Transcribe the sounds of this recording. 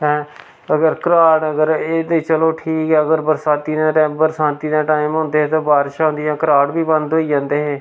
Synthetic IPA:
ɦɛ̃ː | əɡəɾkəɾaːɽəɡəɾeːd̪et͡ʃəloːʈʰiːkɦɛːəɡəɾbəɾsaːt̪iːd̪ãːʈɛːbəɾsãːnt̪iːd̪ãːʈaːɪmɦõːnd̪eːeːt̪õːbaːɾʃaːɦʊ̃nd̪ijãːkəɾaːɽbiːbənd̪ɦoːiːd͡ʒãːnd̪eːɦeː

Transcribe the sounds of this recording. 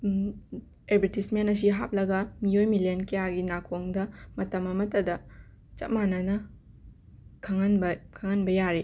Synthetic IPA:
eɾbʱeɾtismenɐs̬iɦa̰p̚lɐɡɐmijojmilenkɐjaɡinakʰoŋdɐmɐtɐmɐmɐtɐdɐ | t͡ʃɐ̰manɐnɐ | kʰɐŋɐnbɐkʰɐŋɐnbɐjaɾe

